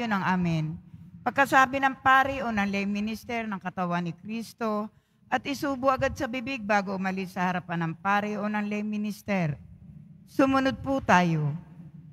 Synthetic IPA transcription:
onɐŋʔaːmɪnpɐɡ̚kɐsaːbɪnɐŋpaːɾɪʔonɐŋlɛjmɪnɪst̪ɛɾnɐŋkɐt̪ɐwanɪkɾiːst̪o̞ | ʔɐt̪ʔɪsuːbʊʔɐɡad̪̚sɐbɪbɪɡ̚baːɡoʔʊmɐlɪsːɐhɐɾɐpanːɐŋpaːɾɪʔo̞nɐŋlɛjmɪnɪst̪ɛɾ | sʊmʊnod̪̚pʊt̪aːjo

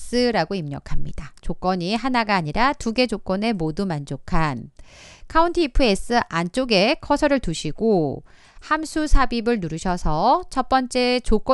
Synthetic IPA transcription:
s͈ɯɾaɡoimɲʌkʰamɲidat͡ɕok͈ʌɲiɦanaɡaːɲiɾatuɡe̞d͡ʑok͈ʌne̞modumand͡ʑokʰan | kʰauntʰiːpʰɯes͈ɯʔant͡ɕ͈oɡe̞kʰʌsʰʌɾɯɭtuɕʰiɡo | hamsʰusʰabibɯɭnuɾuɕʰʌsʰʌt͡ɕʰʌp͈ʌnt͡ɕ͈e̞t͡ɕok͈ʌ

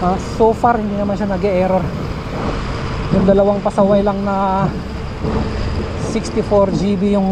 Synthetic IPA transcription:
ʔasoːfaɾhɪnd̪iːnɐmanʃanɐɡɛʔɛːɾoɾ | jʊŋd̪ɐlɐwaŋpɐsɐwajlɐŋnɐ | sɪkst̪ɪfoɾd͡ʒibijʊŋ

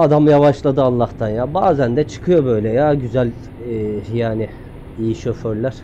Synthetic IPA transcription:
ad̪amjavaʃlˠad̪ɯalˠːaht̪ʰanjaːbaːzænd̪ɛt͡ʃʰɯ̥kʰɯjo̞bø̞jlʲɛjaːɟyzælʲː | jaːnɪ | ijiʃøføɾlʲæɾ̥

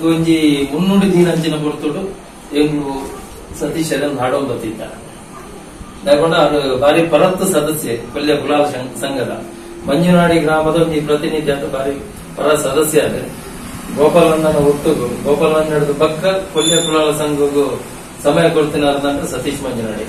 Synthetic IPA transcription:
d̪uɲd͡ʒimunːuɖid̪ʱiːnɐɲt͡ʃinɐbuɾt̪uɽu | enlu | sɐt̪iːʃɐɾɐnnaːɽoːnd̪ɐt̪ːit̪ːa̰ | nɐːɾkoɳɖɐɐnubʱaːɾipɐɾɐt̪ːusɐd̪ɐsjɐkoljɐkulaːlɐɐsɐŋɡɐlɐ̰ | mɐɲd͡ʒunaːɽiɡɾaːmɐd̪ɐɲd͡ʒiːpɾɐt̪inid̪ʱjant̪ɐbʱaːɾi | pɐɾɐt̪sɐd̪ɐsjɐɐd̪ḛ | ɡɔːpaːlɐnːɐnːɐut̪ːuɡuɡɔːpaːlɐnːnɐɽud̪upɐkːɐkoljɐkulaːlɐsɐŋɡɐɡu | sɐmɐjɐkoɭt̪inɐd̪unɐɳt̪ɐsɐt̪iːʂmɐɲd͡ʒuna̰ːɽḭ

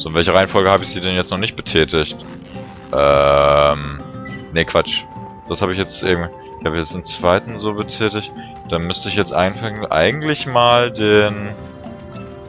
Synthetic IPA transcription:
zoːɪnvɛlçəʁaɪənfɔlɡəhaːbɪçd̥iːdɛnjɛt͡stnɔχnɪçt̚b̥ətʰɛːtɪçt | ʔɛːmnekv̥at͡ʃ | d̥ashaːbɪçjɛt͡stʔeːɡm | ɪçhaːbəçjɛt͡stɪnt͡sv̥aɪtn̩zoːbətʰɛːtɪçt | d̥aːmʏstəɪçjɛt͡stʔa̰ɪnfaŋənʔa̰ɪɡŋ̩tlɪçmaːldeːn

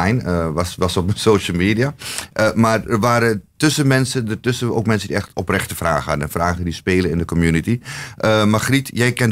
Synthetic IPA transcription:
jnəsʋɑsɔpəsoːʃəl̩ˠmeːdiaʔəmarərʋaːɾətʏsənmɛnsədərtøsəo̰ːkmɛnsədiɛxtɔprɛxtəfra̰ːχəhɑdənɛnfraːɣədispeːlənɪndəkɔmjunitiʔəmaχritjɛjkɛn

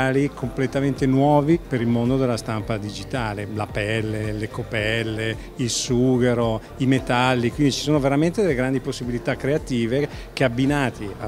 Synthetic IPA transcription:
likʰomplet̪ament̪enwɔːvipeɾilmond̪od̪elːast̪ampad̪id͡ʒit̪aːlelapɛlːelekopɛlːe | ilsuːɡeɾo | imet̪alːikwind̪it͡ʃi̥soːnoveɾament̪ed̪elːeɡɾand̪iposːibilit̪akːɾeat̪iːvek̟eabːinaːt̪ia

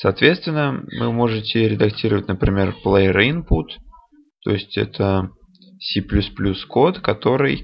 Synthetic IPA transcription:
sɐːt̪vʲe̞t̪st̪vʲɪnːəmɨ̰mo̞ʐɨtʲɪɾʲɪd̪ɐktʲiɾəvətʲnəpɾʲɪmʲe̞rplˠeɾinput̪ | t̪ːo̞̰ɪsʲtʲɛ̰t̪ʰə | sʲiplʲusplʲuskot̪kɐt̪o̞ɾɨj

